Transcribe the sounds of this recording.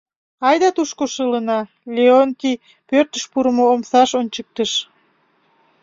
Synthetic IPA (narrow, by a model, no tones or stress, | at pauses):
ɑjd̪ɑt̪uʃkoʃələnɑ | lʲeoŋki | pørt̪əʃpuɾəmoomsɑʃonʲt͡ɕək̚t̪əʃ